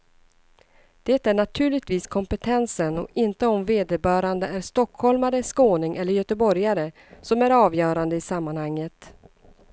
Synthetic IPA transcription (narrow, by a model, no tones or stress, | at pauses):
d̪̥ɛːt̪æɳat̪ʰʉ̟ːɭɪɡ̚t̪viːskʰɔmpɛt̪ʰɛnsənɔ̰ɪnt̪əɔmveːd̪əbœːɾand̪əæɾʂt̪ɔkhɔlmaɾəskoːnɪŋʔɛlːəɾjœt̪əbɔɾjaɾə | sɔmæɾɑːvjœːɾand̪əɪsamːanhaŋːət̪